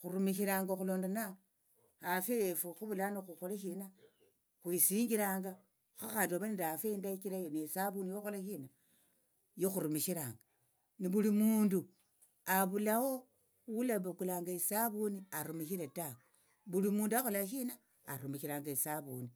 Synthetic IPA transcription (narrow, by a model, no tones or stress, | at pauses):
xuɾumiʃiɾaːŋɡaxuloːndana | afeefuxuβulanixuxoleʃina | xwisiːŋɡiɾaːŋɡa | xaxantoβanidafeindaikiɾajonesaβunijoxolaʃina | joxuɾumiʃiɾaːŋɡa | niβulimuːndu | aβulawo | wulaβekulaːŋɡaesaβuniaɾumiʃiɾetak | βulimuːnduaxolaʃ̬inaː | ɾumiʃiɾaːŋɡaesaβṵni